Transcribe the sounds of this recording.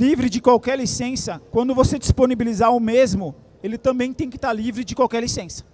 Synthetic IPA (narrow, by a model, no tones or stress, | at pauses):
livɾɪd͡ʒɪkwawkɛɾlisẽsɐkwɐ̃nd̪ʊvosed͡ʒisponibilizaʊmezmʊ | elɪt̪ɐ̃bẽj̃t̪ẽj̃kɪ̥t̪aɾlivɾɪd͡ʒɪkwawkɛɾlisẽsɐ̥